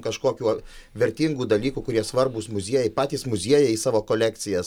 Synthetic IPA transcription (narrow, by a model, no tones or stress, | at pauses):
kɐʃkoːkʲuːʋʲɛɾʲt̪ʲiŋɡuːd̪ɐlʲiːkuːkʊɾʲiɛsʋɐrbusmʊzʲiɛjɛɪpɑːt̪ʲiːsmʊzʲiɛjɛisɑːʋoːkoːlʲæːkt̪sʲɪjɛs